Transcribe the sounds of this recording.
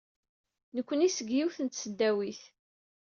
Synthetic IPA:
nəkʷːənisəɡjiwθənt̪səd̪ːæwiθ

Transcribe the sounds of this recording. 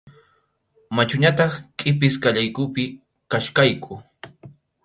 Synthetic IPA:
mat͡ʃʊɲat̪ɑχkʼɪpɪskaʎajkʊpɪ | kaʃkajkʰʊ

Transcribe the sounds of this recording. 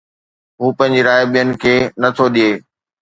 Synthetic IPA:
ɦuːpɐ̃ɦɪ̃ɲd͡ʑeɾaːjɓijənɪ̆kʰeːnɐt̪ʰoɗijeː

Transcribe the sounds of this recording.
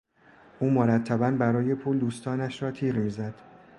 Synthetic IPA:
ʔuːmoɾæt̪ʰːæbænbæɾɒːje̞pʰuːld̪uːst̪ɒːnæʃɾɒːt̪ʰiːɾmiːzæd̪̥

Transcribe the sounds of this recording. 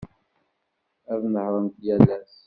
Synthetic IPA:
æðnəhɾˤənt̪jælæs

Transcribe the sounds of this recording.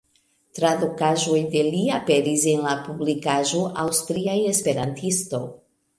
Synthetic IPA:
tɾadokaʒo̞jde̞liape̞ɾise̞nlapublikaʒo̞ʔawstɾiaje̞spe̞ɾantʰisto̞̰j

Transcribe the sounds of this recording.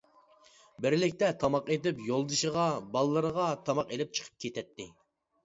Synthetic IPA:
bɪɾlɪkʲt̪ɛt̪ʰɑmɑqet̪ɪpjolˠd̪ɨʃəʁɑbɑlˠɨːəɾəʁɑt̪ʰɑmɑqelɪp̚t͡ʃʰə̥qʰə̥p̚kʲʰet̪ʰɛt̪ʰːɪ

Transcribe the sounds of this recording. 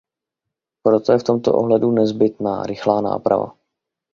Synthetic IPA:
pɾo̞t̪ojɛft̪o̞mt̪o̞̰ʔo̰ɦlɛdunɛzbɪt̪na̰ːɾɪxlaːna̰ːpɾa̰va̰

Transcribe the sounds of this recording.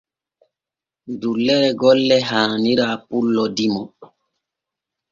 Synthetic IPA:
dulːɛɾɛɡɔlːɛɦaːniɾaːpulːɔdimɔ

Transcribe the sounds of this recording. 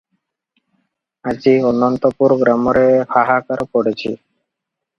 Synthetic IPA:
ad͡ʑiɔnːɔnt̪ɔpuɾɡɾamɔɾekʰaɦakaɾpɔɽet͡ɕʰḭ

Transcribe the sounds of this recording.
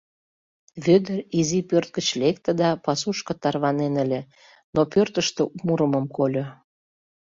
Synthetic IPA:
βød̪ə̆rizipørt̪̚ɡət͡ɕlek̚t̪əd̪ɑpɑsuʃkɤ̆t̪ɑrβɑnenəlʲe | nopørt̪əʃt̪oumuɾə̆məmkolʲo

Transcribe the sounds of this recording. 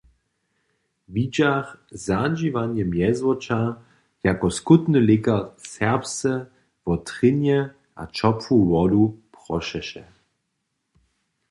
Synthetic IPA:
vid͡ʒaχzad͡ʒivanjɛmjɛzwɔt͡ʃa | jakɔskutnəlɪkɐsɛʁpsɛ | vɔtʁɪnjɛ | ʔa̰t͡ʃɔpfuwɔdupʁ̥ɔʃɛʃɛ

